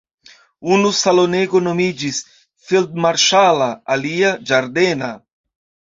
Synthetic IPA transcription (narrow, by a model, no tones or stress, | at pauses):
unusalo̞ne̞ɡono̞mid͡ʒis | fild̪̚maɾʃalaːliad͡ʒaɾdena